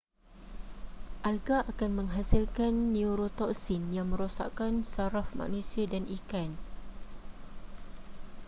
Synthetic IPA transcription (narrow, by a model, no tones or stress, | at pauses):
ʔalɡaʔakanmə̃ŋɦasilkanːiuɾot̪ɔksinjaŋmə̃ɾosa̰ʔkansaɾafmã̰ʔnũsiadanʔikan